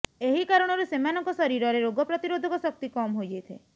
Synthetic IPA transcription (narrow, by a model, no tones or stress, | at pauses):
eɦikaɾɔɽ̃ɔɾusemanɔŋkɔsɔɾiɾɔɾeɾoɡɔpɾɔt̪iɾod̪ʱɔkɔsɔk̚t̪ikɔmɦojd͡ʒejt̪ʰe